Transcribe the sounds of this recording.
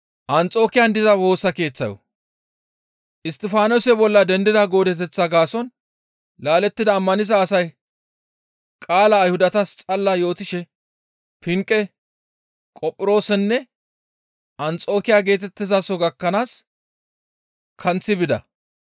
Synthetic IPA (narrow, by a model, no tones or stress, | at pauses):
ʔɐnt͡sʼo̞ːkɪjɐnd̪ɪzɐwo̞ːsɐke̞ːt͡sːɐjɔ̰ | ʔɪst̪ɪfaːnoːsɛbɔlːɐd̪ɛnd̪ɪd̪ɐɡo̞ːd̪ɛt̪̬ɛt͡sːɐɡaːsɔn | laːlɛt̪ːɪd̪ɐːmːɐnɪzɐːsɐj | kʼaːlɐːjhʊd̪ɐt̪ɐst͡sʼɐlːɐjo̞ːt̪ɪʃɛ | pɪŋkʼːɛ | kʼɔpʼːɪɾo̞ːsɛnːɛ | ɐnt͡sʼo̞ːkɪjaːɡe̞ːt̪ɛt̪ːɪzasɔɡɐkːɐnaːs | kʰɐnt͡sːɪbɪd̪ɐ̰